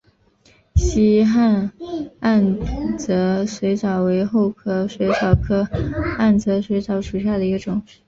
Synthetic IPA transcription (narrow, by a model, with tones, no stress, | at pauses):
ɕi˥xa˥˧na˥˩nt͡sɤ˧˥swe˧˥ɪt͡sɑ˨˩ʊwe˧˥ɪxo˥˩ʊkʰɤ˥swe˧˥ɪt͡sɑ˨˩ʊkʰɤ˥a˥˩nt͡sɤ˧˥swe˧˥ɪt͡sɑ˧˥ʊʂu˨˩ɕja˥˩d̪ə˩i˧˥ɡə˧ʈ͡ʂʊ˨˩˦ŋ